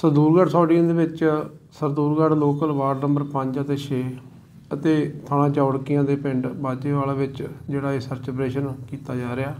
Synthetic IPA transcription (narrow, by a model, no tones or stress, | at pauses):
səɾd̪uːɾɡəɖsɔːɖɪjãːd̪eːʋɪt͡ʃsəɾd̪uːɾɡəɖloːkəlʋaːɾnəmbəɾpə̃ɲd͡ʒət̪eːt͡ʃʰeː | ət̪eːt̪ʰaːnãːt͡ʃaːɽkɪjãːd̪eːpɪ̃ɳɖbaːd͡ʒeːʋaːlaːʋɪt͡ʃd͡ʒeːɽaːeːsəɾt͡ʃəbɾeːʃənkiːt̪aːd͡ʒaːɾɪaː